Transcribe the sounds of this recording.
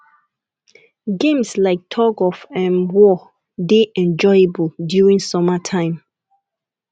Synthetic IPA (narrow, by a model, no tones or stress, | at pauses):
ɡẽmslaɪk̚tʰɔɡɔfɛ̃nwɔ | deʔɛ̃nd͡ʒɔjebuldjuɹĩŋsɔmatʰãɪ̃m